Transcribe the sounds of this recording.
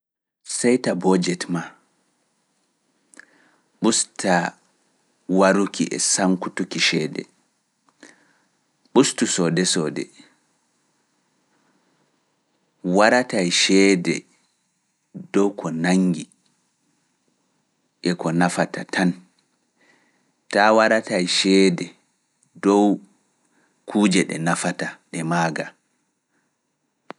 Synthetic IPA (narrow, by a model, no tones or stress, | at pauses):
sɛjtabɔd͡ʒɛtma | ɓustʰa | waɾukʰiʔɛ̰saŋkutukiʃɛːdɛ̰ | ɓustusɔdɛsɔdɛ̰ | waɾatajʃɛdɛ̰ | dɔwkʰɔnaŋɡi | ʔɛkɔnafatʰatʰan | tawaɾatajʃɛːdɛ | dɔw | kʰuːd͡ʒɛɗɛ̰nafataɗɛmaːɡa